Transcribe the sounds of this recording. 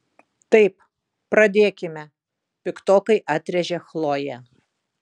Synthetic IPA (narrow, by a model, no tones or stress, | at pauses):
t̪ɐɪp | pɾɐd̪ʲeːkʲɪmʲɛ | pʲɪkt̪oːkɐɪʔɑːt̪ʲɾʲɛʒʲɛxlˠoːjɛ